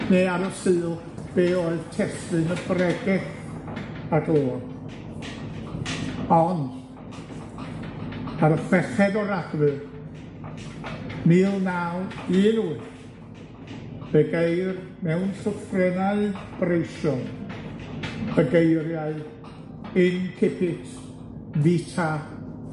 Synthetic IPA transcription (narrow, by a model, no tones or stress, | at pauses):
neːaɾɔsɨːlˠ | b̥eːoːɨðtʰɛstɨnəbrɛɡɪɬ | aɡlˠoːn | ɔnd | aɾɔfɛχɛdɔɾaɡvɨr | miːlˠnawɨːnuɨθ | b̥ɛɡejr | mɛwnɬʊfrɛnaɨb̥rejʃɔn | bəɡejɾjaɨ | ɪnkʰɪpʰɪtʰ | vitʰa